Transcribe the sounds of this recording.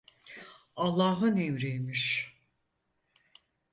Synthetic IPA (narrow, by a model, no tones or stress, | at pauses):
alˠːaːɦɯnɛmɾejmiʃ